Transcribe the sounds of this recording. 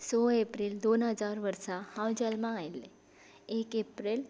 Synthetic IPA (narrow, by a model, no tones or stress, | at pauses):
soepɾild̪onɦəd͡zaɾʋəɾsahãwd͡ʑalmaɡajlːe | ekepɾel